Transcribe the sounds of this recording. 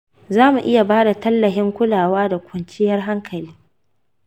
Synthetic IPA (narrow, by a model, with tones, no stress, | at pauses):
zaː˦mu˨ʔɪ˦ja˨baː˦da˨tɐ˦lːɐ˨ɦɪ˦ŋkʷʊ˦laː˨waː˦da˨kʷʊ˨nt͡ʃɪ˦jɐ˦rɦa˦ŋkʰɐ˨liː˦